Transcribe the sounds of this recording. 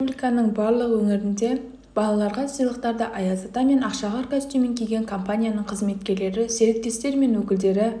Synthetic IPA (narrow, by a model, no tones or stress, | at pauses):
ublʲijkɑnəɴbɑɾlˠəqwɵŋɪɾɪnd̪e̞ | b̥ɑlˠɑlˠɑɾʁɑsəjlˠəq̚t̪ɑɾd̪ɑʔɑjɑzɑt̪ɑme̞nɑqʃɑʁɑɾkʲʰœzt̪emeŋkʲʰijɡʲe̞ŋkʰo̞mpanʲijanəɴqʰəzme̞t̪̚kʲe̞ɾle̞ɾɪseɾek̚t̪e̞st̪e̞ɾme̞nwɵkʲɪld̪e̞ɾɪ